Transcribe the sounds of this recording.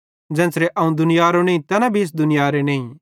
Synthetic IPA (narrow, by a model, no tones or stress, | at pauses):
d͡ʒɛ̃ːnsɾeʔɐũd̪ʊnɪjaːɾonẽːĩt̪ɐnabʱiɪs̬d̪ʊnɪjaːɾenẽːĩ